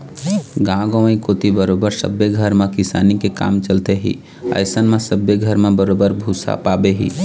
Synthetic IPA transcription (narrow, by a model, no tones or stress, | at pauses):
ɡãːɡõĩkoːt̪ibəɾoːbəɾsə̰beɡʱəɾmẽkɪsa̰ːnikeka̰ːmt͡ʃəlt̪eɦḭ | ə̰ɪsənmẽsəbeɡʱəɾmẽbəɾoːbəɾbʱusa̰paːbeɦḭː